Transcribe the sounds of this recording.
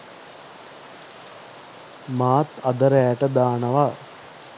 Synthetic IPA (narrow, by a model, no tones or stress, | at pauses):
maːt̪ɐd̪əɾɛjæʈəd̪aːnəʋa